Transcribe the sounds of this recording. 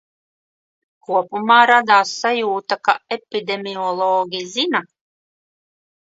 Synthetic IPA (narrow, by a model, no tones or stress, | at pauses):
kuɔpumaːɾad̪aːsːajuːt̪akaepʲid̪emiɔlˠɔːɡʲizina